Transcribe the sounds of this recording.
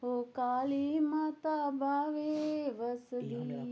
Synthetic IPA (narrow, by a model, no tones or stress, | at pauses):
ɦokaːlimat̪abaːʋeʋɐsd̪i